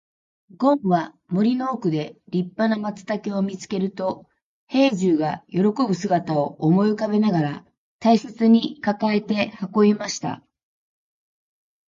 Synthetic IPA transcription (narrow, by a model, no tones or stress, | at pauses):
ɡõ̞ɰ̃βa | mo̞ɾʲino̞ːkɯ̟d̪e̞ɾʲipːanamat͡sɨ̥t̪akeo̞mʲit͡sɨ̥ke̞ɾɯ̟t̪o̞ | he̞ːʑɨːɡajo̞ɾo̞ko̞bɯ̟sɨɡat̪ao̞ːmo̞jɯkabe̞naɡaɾa | t̪aiset͡sɨɲ̟ikakae̞t̪e̞hako̞emaɕi̥t̪a̰